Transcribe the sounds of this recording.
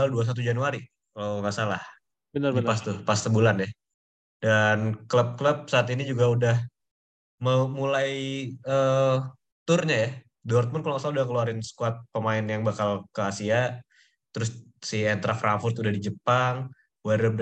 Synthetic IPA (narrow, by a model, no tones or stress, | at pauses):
aulduas̬at̪̬ud͡ʒanuaɾi | kaloŋaʔsalah | bənəpast̪upast̪əbulanɛh | dankləp̚kləp̚saːt̪inid͡ʒuɡaudah | məmulajə | t̪ʊrɲaja | dɔrt̪̚mʊnkaloŋasalaudahkəluaɾɪnsə̥kuat̪̚pəmaɪnjaŋbakalkəasia | t̪əɾʊssiɛnt̪ɾafɾʔaŋfʊrt̪udahdid͡ʒəpaŋ | waɾəb̚